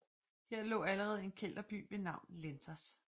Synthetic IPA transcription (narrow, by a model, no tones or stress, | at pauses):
he̝ɐ̰lɔ̰̽ːæləʁɛːð̞̩ˠe̝nkʰel̰d̥ɐb̥y̰ːʋe̝nɑ̈ʊ̰nlensɐs